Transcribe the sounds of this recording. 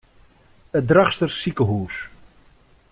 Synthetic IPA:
ədraχstərsikəɦuːs

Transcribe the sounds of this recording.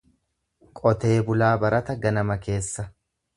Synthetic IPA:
kʼɔt̪e̞ːbʊlaːbɐɾɐt̪ɐɡɐnɐmɐke̞ːsːɐ

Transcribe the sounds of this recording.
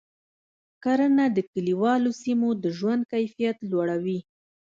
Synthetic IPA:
kaɾənad̪əkəliwɑlosimod̪əʒwand̪̚kajfijat̪lwaɽawi

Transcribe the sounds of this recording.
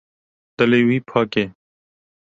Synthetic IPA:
t̪ɐleːwiːpʰaːkeː

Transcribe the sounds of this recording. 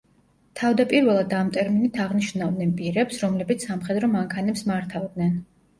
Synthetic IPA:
t̪ʰavd̪apʼiɾvɛlˠad̪amt̪ʼɛɾminit̪ʰaʁniʃnnavd̪nɛnpʼiɾɛpsɾɔmlɛbit̪sʰsamχɛd̪ɾɔmaŋkʰanɛpsmaɾt̪ʰavd̪nɛn

